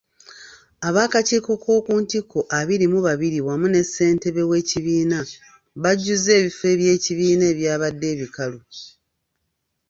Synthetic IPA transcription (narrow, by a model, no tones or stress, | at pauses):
aβaːkaciːko̞ko̞ːkuːntikʰo̞ʔaβiɾimuβaβiɾiwamune̞sːe̞ːnte̞βe̞we̞ːciβiːna | βaɟːuze̞ːβife̞ːβje̞ːciβiːne̞ːβjaːβadːe̞ːβikalo